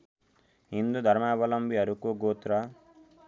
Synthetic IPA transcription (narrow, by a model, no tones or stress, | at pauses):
ɦind̪ud̪ʱɐɾmaːbɐlɐmbʱiɐɾukoːɡoːt̪ɾa